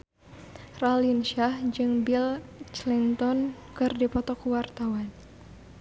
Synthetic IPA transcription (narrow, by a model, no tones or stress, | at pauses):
ralinʃahd͡ʒɨŋbilt͡ʃlint̪ɔnkɨrdipɔt̪ɔkuwart̪awan